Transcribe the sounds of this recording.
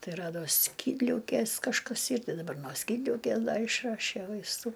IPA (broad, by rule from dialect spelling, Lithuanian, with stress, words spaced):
ˈtɐɪ ˈrɑːdoː ˈsʲkʲiːdʲlʲɛʊkʲeːs kɐʃˈkɐs ˈiːr ˈtɐɪ dɐˈbɐr noː ˈsʲkʲiːdʲlʲɛʊkʲeː ˈdɐ ɪʃˈrɑːʃʲeː ʋɐɪsˈtuː